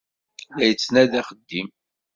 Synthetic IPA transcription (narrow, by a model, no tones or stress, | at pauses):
læjət͡sːnæðæχəd̪ːim